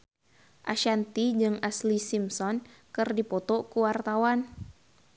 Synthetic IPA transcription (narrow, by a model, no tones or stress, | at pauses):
ʔaʃant̪id͡ʒɨŋaslisimsɔnkɨrdipɔt̪ɔkuwart̪awan